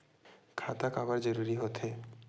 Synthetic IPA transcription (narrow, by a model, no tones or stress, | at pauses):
kʰat̪akabaɾd͡ʒɔɾuɾiɦot̪ʰe